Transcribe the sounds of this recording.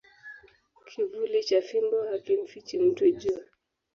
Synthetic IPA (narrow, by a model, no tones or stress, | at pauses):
kʰivulit͡ʃafimbɔhakiɱ̩fit͡ʃim̩twɛd͡ʒua